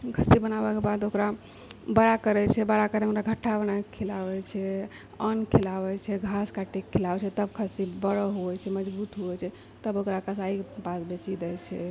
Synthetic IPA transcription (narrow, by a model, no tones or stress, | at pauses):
kʰəsibənabɛkebad̪okɾa | bəɾakəɾɛt͡ʃʰɛbəɾakəɾɛokɾaɡʱəʈʰːabənakʰilaʋɛt͡ʃʰɛ | ənkʰilabɛt͡ʃʰɛɡʱaskaʈekʰːilabɛt͡ʃʰɛt̪əbkʰəsibəɽəɦoɛt͡ʃʰɛməd͡ʒbut̪ɦoɛt͡ʃʰɛ | t̪əbokɾakasaikepasbet͡ʃid̪ɛjt͡ʃʰɛ̰